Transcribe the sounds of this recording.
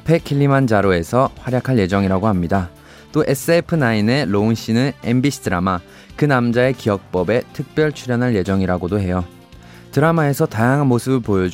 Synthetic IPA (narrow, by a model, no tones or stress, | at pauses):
apʰe̞kʰiʎːimand͡ʑaɾoe̞sʰʌɸwaɾjakʰaɭje̞d͡ʑʌŋiɾaɡoɦamɲida | t͈oʔe̞s͈ɯepʰɯnaine̞ɾounɕ͈inɯnembiɕʰidɯɾama | kɯnamd͡ʑae̞kijʌk̚p͈ʌbe̞tʰɯk̚p͈jʌɭt͡ɕʰuɾjʌnɦaɭje̞d͡ʑʌŋiɾaɡodohe̞jo | tɯɾamae̞sʰʌtajaŋɦanmosʰɯbɯɭpojʌd͡ʑ